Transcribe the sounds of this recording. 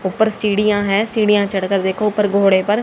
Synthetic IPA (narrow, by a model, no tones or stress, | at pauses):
ʊpːəɾsiːɽijãːɦɛːsiːɽijãːt͡ʃəɽkəɾd̪eːkʰoːʊpːəɾɡʱoːɽeːpəɾ